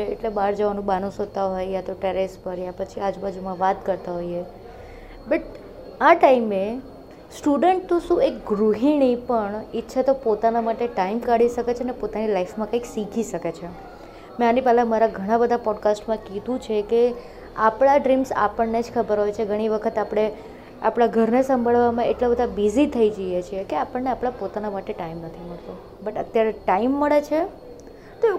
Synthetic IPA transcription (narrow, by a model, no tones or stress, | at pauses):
eeʈlebaɾd͡ʒəʋanũbanũsɦot̪aɦojjat̪oʈeɾespəɾjapət͡ʃʰiad͡ʒbad͡ʒumãʋat̪kəɾt̪aɦoje | bəʈ | aʈaime | sʈuɖəɳʈt̪ũʃũek̚ɡɾuɦinipəɳitːʃʰat̪opot̪anamaʈeʈaimkaɽiʃəket͡ʃʰenepot̪anilaifmãkãiksikʰiʃəket͡ʃʰe | mɛ̃anipalamaɾaɡʱəɽ̃ãbəd̪ʱapɔɖkasʈmãkid̪ũt͡ʃʰeke | apɽaɖɾimsa̰pəɳned͡ʒkʰəbəɾɦojt͡ʃʰeɡʱəɽ̃iʋəkʰət̪apɽ̃e | apɽ̃aɡʱəɾnesəmbʱaɭʋamãeʈlabəd̪ʱabizit̪ʰəid͡ʒəjet͡ʃʰiekeapəɳːeapɽ̃ãpot̪anamaʈeʈaimnət̪ʰiməɭt̪o | bəʈət̪jaɾeʈaimːəɭet͡ʃʰe | t̪o